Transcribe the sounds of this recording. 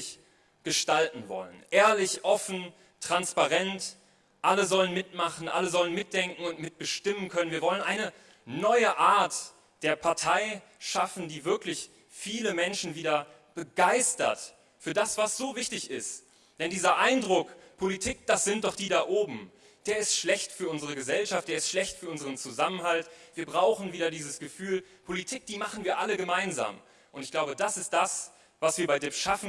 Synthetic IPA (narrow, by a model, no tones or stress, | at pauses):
ç | ɡ̥əʃtaltn̩vɔ̰lə̰nʔeːɐlɪçʔɔfn̩ | tʁ̥anspaʁɛnt | ʔaləzɔlənmɪtmaχn̩ʔa̰ləzɔlənmɪt̚d̥ɛŋkŋ̩ʊntmɪt̚b̥əʃtɪmənkʰœnənviːɐvɔlənʔaɪnə | nɔʏəʔaːɐt | d̥eːɐpʰaɐtʰaɪ | ʃafn̩diːvɪɐklɪç | fiːləmɛnʃn̩viːdɐ | b̥əɡaɪstɐ̰t | fyːɐdasv̥asz̥oːvɪçtɪçɪst | d̥ɛndiːzɐʔaɪndʁʊkpʰolitʰiːk̚d̥asz̥ɪnt̚d̥ɔχd̥iːdaːʔoːbm̩ | d̥eːɐɪstʃlɛçtfyːɐʔʊnzəʁ̞əɡəzɛlʃaft̚d̥eːɐɪstʃlɛçtfyːɐʔʊnzəʁ̞ənt͡suzamənɦaltv̥iːɐbʁaʊxn̩viːɾɐdiːzəsɡ̥əfyːlpʰolitʰiːk̚d̥iːmaχn̩viːɐʔaləɡəmaɪnza̰ːm | ʔʊntɪçɡ̥laʊbədasɪst̚d̥as | vasv̥iːɐbaɪdeːʃafn̩